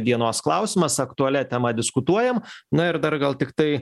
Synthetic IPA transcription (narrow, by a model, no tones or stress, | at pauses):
d̪ʲiɛnoːsklˠɐʊsʲɪmɐsɐkt̪ʊɐlʲɛt̪ʲɛmɐd̪ʲɪskʊt̪uɔjɛmnʊɪɾd̪ɐɾɡɐlˠt̪ʲɪkt̪ɐɪ